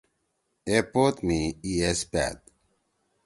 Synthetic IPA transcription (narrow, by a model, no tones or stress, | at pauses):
epot̪miiespa̰ːt̪̚